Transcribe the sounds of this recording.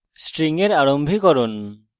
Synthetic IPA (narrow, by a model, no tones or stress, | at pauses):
sʈɾiŋeɾaɽɔmbʱikɔɾɔn